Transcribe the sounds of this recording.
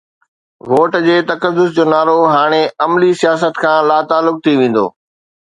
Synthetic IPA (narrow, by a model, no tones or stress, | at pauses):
ʋoːʈd͡ʑeːt̪ɐkəd̪ːʊsd͡ʑoːnaːɾoɦaːɽ̃eɐmlisijaːs̬ət̪kʰãːlaːt̪aːlːʊk̚t̪ʰiʋẽːn̆d̪o̰ː